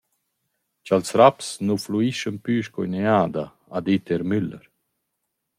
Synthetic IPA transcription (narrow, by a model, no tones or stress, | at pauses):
t͡ʃalsɾapsnufluiʃənpyːʃkɔjneaːd̪a | ad̪it̪eɾmyləɾ